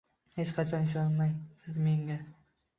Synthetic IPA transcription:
he̞t͡ʃqʰɑt͡ʃʰɒnɪʃ̬ɒnmajsɪzme̞ŋɡʲa

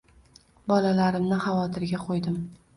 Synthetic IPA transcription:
bɒlalaɾɪmnɪhavɒt̪ʰɪɾɡʲaqʰojd̪ɪm

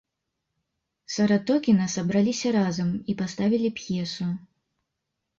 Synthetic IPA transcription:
sɐɾat̪ɔkʲinɐsɐbɾalʲisʲɐɾazɐmipast̪avʲilʲipjɛsu

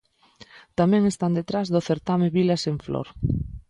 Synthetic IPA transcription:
t̪amɛ̃ŋest̪and̪et̪ɾazðʊθeɾt̪ameβilaseɱflɔ̰ɾ

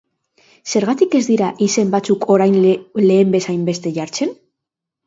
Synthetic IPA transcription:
se̞ɾɣat̪ike̞zd̪iɾaʔise̞mbat͡sukʰo̞ɾajnle̞ːmbe̞sajmbe̞st̪e̞ʝaɾt͡se̞n

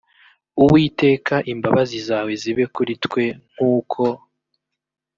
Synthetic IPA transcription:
uwiːte̞ːkaʔimbaβazizaːwe̞ziβe̞kuɾitkwe̞ŋ̥huːkʰo̞

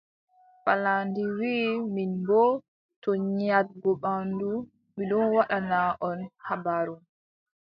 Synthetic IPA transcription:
falandiwiːminbɔ | tɔɲat̚ɡɔɓandu | miɗɔnwaɗanaʔɔnhabaɾum

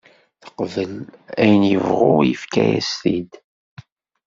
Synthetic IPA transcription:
θə̥qvəlæjənjəvʁʊjəfkæjæst̪id̪

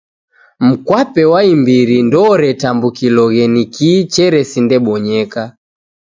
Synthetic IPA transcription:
m̩kwapɛwaimbiɾindɔɾɛtambukilɔɣɛnikit͡ʃɛɾɛsindɛɓɔɲɛka

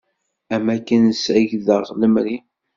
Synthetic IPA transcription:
æmækːənsʕəʝðəʁʁˤləmɾi

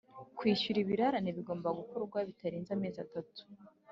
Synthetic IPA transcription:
kwiːʃuɾiβiɾaɾaneβiɡo̞ːmbaɡukoɾuɾɡwaβitaɾiːnzame̞ːzatatu̥

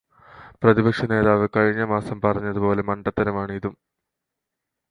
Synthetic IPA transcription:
prɐðibɐkʂɐne̞ːðaːʋekɐɻiɲːɐmaːsɐmpɐrɐɲːɐðupo̞ːle̞mɐɳɖɐt̪ːɐɾɐmaːɳɨiðum

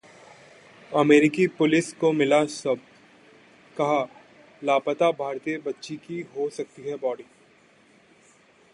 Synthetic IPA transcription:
ɐmeːɾɪkipʊlɪskomɪlasɐb̚ | kɐɦa | laːpət̪abʱaːɾt̪ijebɐtːʃikiɦosɐk̚t̪iɦɛbɔːɖiː

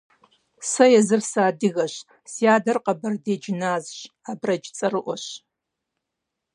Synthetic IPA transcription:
sɐjɛzɨrsaːdɨɣɐɕ | sijaːdɐrqɐbɐrdeːd͡ʒɪnaːzɕ | aːbrɐd͡ʒt͡sʼɐrɨʔʷɔɕ

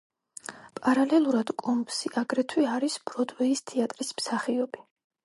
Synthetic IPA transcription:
pʼaɾalɛlˠuɾad̪kʼɔmpsiʔaɡɾɛt̪ʰwiaɾisb̥ɾɔd̪wɛist̪ʰiat̪ʼɾismsaχiɔbi

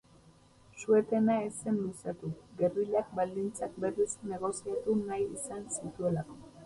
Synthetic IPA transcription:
sue̞t̪e̞nae̞se̞nlusat̪uɣe̞rileak̚bald̪int͡sak̚be̞risne̞ɣ̞o̞siat̪unajisansit̪ue̞lako̞̥

